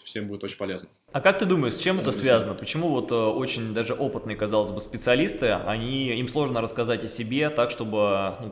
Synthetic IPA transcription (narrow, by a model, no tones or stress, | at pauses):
fsʲembuɪt̪ot͡ɕʲɪnʲpɐlʲeznə | ɐkak̚t̪ɨd̪uməjɪʂsʲt͡ɕːemɛt̪əsvʲazənəpət͡ɕɪmuvo̞t̪əo̞t͡ɕɪnʲd̪aʐɨʔo̞pɨt̪nɨjəkɐzɑlˠəzʲbɨspʲɪt̪sɨɐlʲist̪ɨɐ̰nʲiimslˠo̞ʐnəɾəskɐzatʲəsʲɪbʲe̞t̪akʂt̪o̞bɨnu